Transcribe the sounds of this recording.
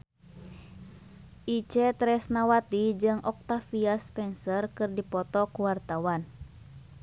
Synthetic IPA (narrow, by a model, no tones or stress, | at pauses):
ʔit͡ʃɛt̪ɾɛsnawat̪id͡ʒɨŋʔɔk̚t̪afiaspɛnsərkɨrdipɔt̪ɔkuwart̪awan